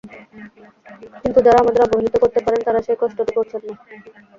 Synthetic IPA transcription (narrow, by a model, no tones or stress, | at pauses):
kint̪ud͡ʑaɾaamad̪eɾɔbonit̪okoɾt̪epaɾent̪aɾaʃekɔʃʈoʈ̪ikoɾt͡ɕʰenːa